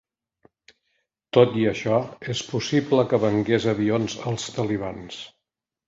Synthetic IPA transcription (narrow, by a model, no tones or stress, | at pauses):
t̪ot̪iəʃɔespusipləkəβəŋɡezəβionzəlˠst̪əliβ̞ans